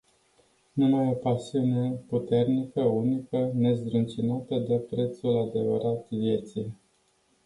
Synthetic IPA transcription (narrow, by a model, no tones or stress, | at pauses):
numajo̞pasiune̞put̪e̞rnikəunikəne̞zd̪ɾɨnt͡ʃinat̪əd̪epɾe̞t̪sulad̪e̞və̰ɾat̪vje̞t̪sij